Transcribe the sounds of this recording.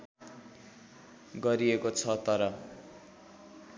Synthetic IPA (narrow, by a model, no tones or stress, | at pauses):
ɡʌɾiekot͡sʰʌt̪ʌɾʌ